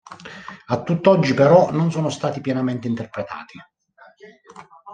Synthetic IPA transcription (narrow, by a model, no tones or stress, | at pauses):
at̪ːut̪ːɔd͡ʒːipeɾɔnonsoːnost̪aːt̪ipjɛnament̪eint̪erpɾet̪a̰ːt̪i